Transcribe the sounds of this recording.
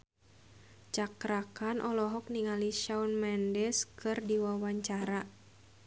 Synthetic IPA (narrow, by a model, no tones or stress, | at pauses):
t͡ʃakɾakanʔɔlɔɦɔk̚niŋaliʃaunmɛndɛskɨrdiwawaɲt͡ʃaɾa